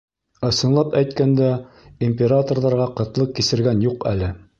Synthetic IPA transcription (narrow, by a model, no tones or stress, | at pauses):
ɤ̆sɤ̆nlˠɑpæjt̪kænd̪æ | imʲpʲeɾat̪orðɑɾʁɑqɤ̆t̪lˠɤq̚kisɘ̆ɾɡænjuqæ̰lɘ